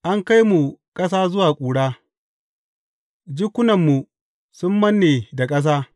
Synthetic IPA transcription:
ʔa˦ŋka˦jmu˨kʼɐ˦s̬aː˦zʊ˦waː˨kʷʼuː˨ɽaː˦ | d͡ʒɪ˦kʷːʊ˦nɐ˨mːu˨ | sʊ˦mːɐ˦nːeː˨da˨kʼɐ˦s̬aː˦

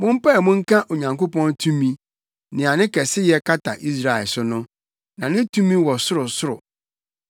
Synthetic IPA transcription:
mʊ̃˦m̩˦pa˦˨mʊ̃˦ŋ̩˦kʰã˦ʔo˨ɲã˨ŋko˦pɔ̃˦ntʰũ˦mĩ˦ | nɪ̃˨a˨nɪ̃˦kʰɛ˨sɪ˦jɛ˦kʰa˦tʰa˨ʔi˦s̬ɾa˦˨ɛ˨lsʊ˦nʊ̃˦ | nã˨nɪ̃˦tʰũ˦mĩ˦wɔ˨sʊ˦ɾʊ˨sʊ˦ɾʊ̰˨

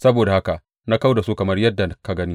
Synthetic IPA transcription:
sɐ˦boː˨da˨ha˦ka˨ʔ | na˦ka˦wda˨su˦kɐ˨mɐ˦rjɐ˦dːa˨ka˦ɡɐ˦ni˦

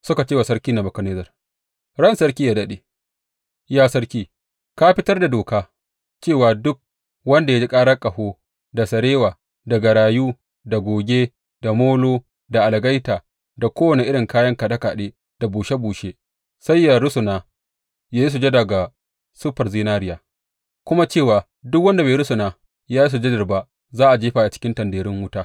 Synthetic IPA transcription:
sʊ˦ka˨t͡ʃeː˦˨wa˨sɐ˦ɽkʲiː˦na˨bɐ˨kɐ˦neː˦zɐ˨r | ɽɐ˦˨nsɐ˦ɾkʲiː˦jaː˦da˦ɗe˨ | jaː˦sɐ˦ɽkʲiː˦ | ka˦ɸɪ˦tɐ˦rda˨doː˨kaː˦ | t͡ʃeː˦˨waː˨dʊ˦k̚ | wɐ˦nda˨ja˦d͡ʒi˦kʼaː˦ɽɐ˦kʼɐ˨hoː˦ | da˨sɐ˨ɾeː˦waː˨ | da˨ɡɐ˨ɽaː˨juː˦ | da˨ɡʷoː˨ɡʲeː˦ | d̥a˨moː˦loː˦ | da˨ʔa˨lɡa˦jtaː˨ | da˨kʷoː˦wɐ˨ne˨ʔɪ˦ɽɪ˨ŋkaː˦jɐ˦ŋka˨dɐ˦ka˨ɗeː˦ | d̥a˨buː˨ʃe˦buː˨ʃe˦ | sa˦jjːaː˨ɽʊ˦sʊ˨naː˨ | jaː˦ji˦s̬u˨d͡ʒɐ˦da˨ɡa˨ | sʊ˦ɸɐ˨rziː˦naː˦ɾɪ˦jaː˨ | kʷʊ˦ma˦t͡ʃeː˦˨waː˨ | dʊ˦k̚wɐ˦nda˨be˨˦ɾʊ˦sʊ˨naː˨ | jaː˦ji˦s̬u˨d͡ʒɐ˦dɪ˨rba˦ | zaː˦ʔa˨d͡ʒeː˦ɸa˨ʔa˨t͡ʃɪ̥˦kʲɪ˦ntɐ˨ndeː˨ɾɪ˦ŋwʊ˦taː˦

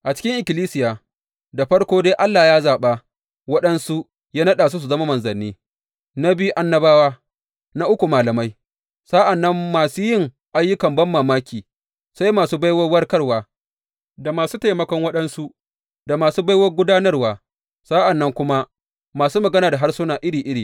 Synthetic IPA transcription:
ʔa˨t͡ʃɪ̥˦kʲɪ˦ŋʔɪ˨kʲɪ˨liː˦sɪ˦jaː˨ | da˨ɸɐ˦ɽkʷoː˦deː˦ʔa˦lːaː˨jaː˦zaː˨ɓa˦ | wɐ˦ɗɐ˦nsu˦ | jaː˦nɐ˦ɗaː˨s̬u˦s̬u˨zɐ˦ma˦mɐ˨nzɐ˨nːiː˦ | na˦bɪ˦u˦ʔa˦nːɐ˦baː˦waː˦ | na˦ʔʊ˦kʷu˨maː˨lɐ˨ma˦j | sa˦ʔa˨nːɐ˦mːaː˨suː˦jɪ˦ŋ | ʔa˦jːʊ˦kɐ˨mbɐ˦mːaː˨maː˦kʲiː˨ | sa˦jmaː˨suː˦ba˦jwɐ˦rwɐ˦rkɐ˦rwaː˨ | da˨maː˨suː˦ta˨jmɐ˨kɔ˦ŋwɐ˦ɗɐ˦nsu˦ | da˨maː˨suː˦ba˦jwɐ˦rɡʷʊ˦daː˦nɐ˦rwaː˨ | saː˦ʔa˨nːɐ˦ŋkʷʊ˦ma˦ | maː˨suː˦mɐ˨ɡɐ˦naː˨da˨ɦa˦rsʊ˦naː˨ʔɪ˦ɽiː˨ʔɪ˦ɽiː˨

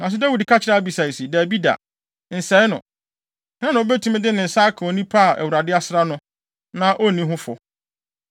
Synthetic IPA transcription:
nã˨s̬ʊ˦da˦wi˨dkʰa˦t͡ɕʰɪ˨ɾa˦bi˨sa˨si˨dæ˨bi˦da̰˨ | n̩˨sɛ˨˦nʊ̰̃˨ | ã˦nã˨o˦bɛ˦tʰu˦mɪ̃˦dɪ˦nɪ̃˨n̩˨sa˦kʰo˨nĩ˦pʰa˦˨ʔɛ̰˨wu˨ɾa˨dɪ˦a˦sɪ˦ɾa˦nʊ̃˦ | nã˦ʔo˦˨nĩ˦ɦʊ̃˦fɔ̰˨

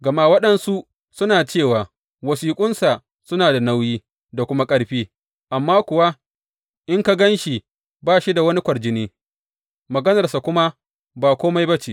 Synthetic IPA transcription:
ɡɐ˨maː˦wɐ˦ɗɐ˦nsu˦ʔ | sʊ˦naː˨t͡ʃeː˦˨waː˨ | wɐ˨siː˨kʷʼʊ˦nsa˨ | sʊ˦naː˨da˨na˦wjiː˦ | da˨kʷʊ˦ma˦kʼɐ˦ɽɸiː˦ | ʔa˨mːaː˦kʷʊ˨wa˦ | ʔɪ˦ŋka˦ɡɐ˦nʃi˨ | baː˦˨ʃi˦da˨wɐ˦ni˦kʷɐ˨ɽd͡ʒɪ˦neː˦ | mɐ˨ɡɐ˦nɐ˨rsa˨kʷʊ˦ma˦ | baː˨kʷoː˦ma˦jbɐ˦t͡ʃiː˨

